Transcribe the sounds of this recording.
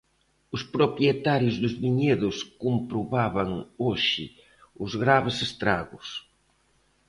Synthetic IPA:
ʊspɾopjet̪aɾjʊzðʊzβiɲeðʊskompɾoβaβaŋoʃɪ̰ | ʊzɣɾaβɪsest̪ɾaɣʊs

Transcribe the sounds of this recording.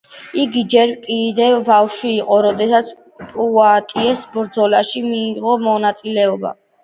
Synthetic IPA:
iɡid͡ʒɛɾkʼid̪ɛvbafʃwiːqʼɔɾɔd̪ɛsat̪sʰ | pʼuat̪ʼiɛsbɾd̪zɔlaʃimiːʁɔmɔnat̪sʼilɛɔba̰

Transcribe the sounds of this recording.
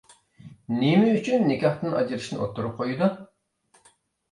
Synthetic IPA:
nemɛyt͡ʃʰynːekʲɑχt̪ɨnʔɑ̰d͡ʒiɾɨʃnɪʔot̪ʰːuɾup̚qʰojud̪u

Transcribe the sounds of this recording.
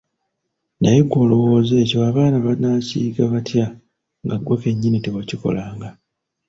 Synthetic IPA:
najeɡwo̞ːlo̞wo̞ːze̞ːco̞aβaːnaβanacḭːɡaβatʰja | ŋɡaɡwoke̞ɲːinitewaciko̞̰laːŋɡa

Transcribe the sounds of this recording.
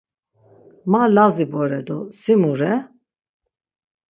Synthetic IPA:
malazibɔɾɛd̪ɔsimuɾɛ

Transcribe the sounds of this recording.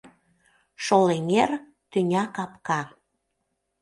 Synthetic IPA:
ʃoleŋer | t̪ynʲɑkɑpkɑ

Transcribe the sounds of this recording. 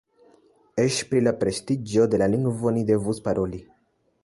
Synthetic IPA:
eʃpɾilapɾest̪id͡ʒod̪e̞laliŋɡvonid̪evuspaɾoli

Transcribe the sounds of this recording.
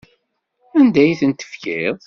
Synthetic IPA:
ænd̪æjθənt̪ə̥fkɪðˤ

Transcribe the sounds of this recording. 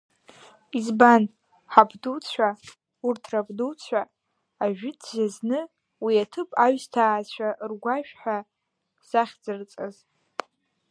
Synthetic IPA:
izban | ħapʰdut͡sʷʰa | urtʰrapʰʼduwt͡sʷʰaː | ʒᶣɪdʰzaznɨ | wiatʰɨpʼaɥstʰaːt͡ɕʷʰarɡʷaʃᶣħʷa | z̥aχʲd͡zɨrt͡sʼɨz

